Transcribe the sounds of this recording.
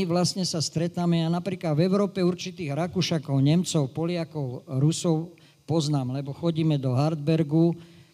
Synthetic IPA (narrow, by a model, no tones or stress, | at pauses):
iʋlasɲɛsast̪ɾɛt̪aːmɛjanapɾiːklad̪vɛʊɾɔːpɛuɾt͡ʃit̪iːɣɾakuʃakɔʊɲɛmt͡sɔʊpɔlɪakɔʊɾusɔʊ | pɔznaːmlɛbɔxɔɟiːmɛd̪ɔɦaɾd̪bɛɾɡu